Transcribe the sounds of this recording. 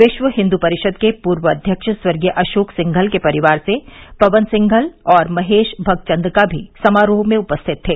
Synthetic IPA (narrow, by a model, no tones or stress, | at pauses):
ʋɪʃʋəɦɪ̃nd̪upɐɾɪʃəd̪kepuːɾʋəɐd̪ʱjəkʃəswɐɾɡjəʔɐʃoːksɪ̃ŋɡʱəlkepɐɾɪʋaːɾsepɐʋənsɪ̃ŋɡʱəlɔːɾmɐɦeːʃbʱɐɡ̚t͡ʃɐ̃nd̪ɾkabʱḭsɐmaːɾoːɦmẽʊpəst̪ʰɪt̪ʰːeː